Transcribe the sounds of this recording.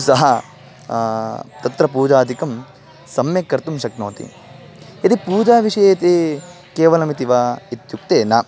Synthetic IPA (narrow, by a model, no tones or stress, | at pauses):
sɐɦɐ | t̪ɐt̪ɾɐpuːd͡ʒaːd̪ʱikɐm | sɐmjɐkːɐɾt̪umʃɐkno̰ːt̪ḭ | ɐt̪ipuːd͡ʒaːʋiʂɐjɐt̪e | keːʋɐlɐmit̪iʋaːit̪juk̚t̪eːna